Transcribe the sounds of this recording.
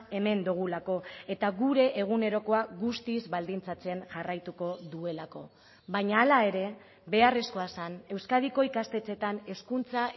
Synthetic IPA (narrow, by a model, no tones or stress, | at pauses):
e̞me̞nd̪uɣ̞ulako̞e̞t̪aɣuɾe̞ʔːɣ̞une̞ɾo̞ko̞aɣust̪izβald̪int͡sat͡se̞nʝarajt̪uko̞ðue̞lako̞ | βaɲaːlae̞ɾe̞ | be̞are̞sko̞asane̞wskaðiko̞ikast̪e̞t͡se̞t̪ane̞skunt͡sa